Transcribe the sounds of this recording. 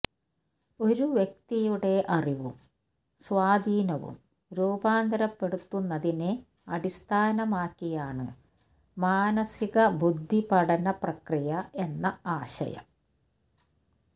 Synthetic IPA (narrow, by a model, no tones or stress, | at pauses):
o̞ɾuʋjek̚t̪ijuɽe̞ʔɐriʋṵm | swaːd̪iːnɐʋṵm | ɾuːbaːnd̪ɐɾɐpːe̞ɽut̪ːunːɐðine | ɐɽist̪ʰaːnɐmaːkːijaːɳɨ̰ | maːnɐsiɣɐbud̪ʱːipɐɽɐnɐprɐkrijɐe̞nːɐaːɕɐ̰jɐ̰m